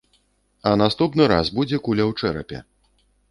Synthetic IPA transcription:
ɐnast̪upnɨɾa̰sbud͡zʲɛkulʲɐwt͡ʂɛɾɐ̰pʲɛ̰

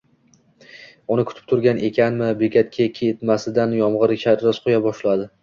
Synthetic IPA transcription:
ʊnɪkʰʊ̥t̪ʰɪ̥p̚t̪ʰʊɾɡʲane̞kʲʰanmɪbekʲat̪̚kʲʰekʲʰeet̪masɪd̪anjɒmʁɨɾʃaɾɾɪzqʰojabɒʃlad̪ɪ

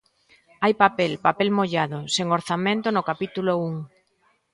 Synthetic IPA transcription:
ajpapɛlpapɛlmoʎaðoseŋoɾθamẽnt̪onʊkapit̪ulouŋ

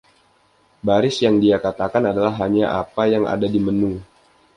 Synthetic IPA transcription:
baɾɪsjaŋdiakat̪akanadalaɦːaɲaʔapajaŋa̰dadimənu

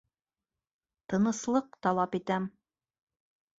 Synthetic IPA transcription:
t̪ɤ̆nɤ̆slˠɤq̚t̪ɑlˠɑpit̪æm

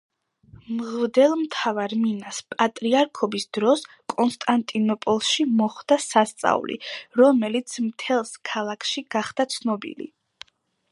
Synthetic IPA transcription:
mʁvd̪ɛlˠmt̪ʰavaɾminaspʼat̪ʼɾiaɾkʰɔbisd̪̥ɾɔs | kʼɔnst̪ʼant̪ʼinɔpʼɔlˠʃimɔχd̪asast̪sʼa̰ulḭɾɔmɛlit̪sʰmt̪ʰɛlˠskʰalˠakʰʃiɡ̥aχd̪̥at̪sʰnɔbḭlḭ

